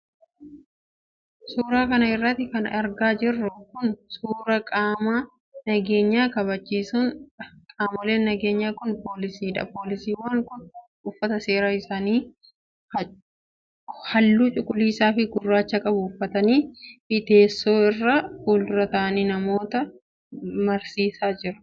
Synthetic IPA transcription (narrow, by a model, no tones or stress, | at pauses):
suːɾaːkɐnɐɪrːɐt̪ːɪkɐnɐɾɡaːd͡ʒɪrːʊkʊnsuːɾɐkʼaːma | nɐɡeːɲːaːkɐβɐt͡ʃːiːsunkʼaːmɔle̞ːnnːɐɡe̞ːɲːaːkʊnpo̞ːlɪsiːᶑɐ̰po̞ːlɪsiːwaːŋkʊn | ʊfːɐt̪ɐse̞ːɾaːɪsaːniː | h | hɐlːuːt͡ʃʼʊkʼːʊliːsaːfɪɡʊrːaːt͡ʃːɐkʼɐbʊːfːɐt̪ɐniːfɪt̪e̞ːsːo̞ːɪrːaːfuːldʊɾɐt̪ɐɐniːnɐmo̞ːt̪ɐ | mɐɾsiːsaːd͡ʒɪɾɐ̥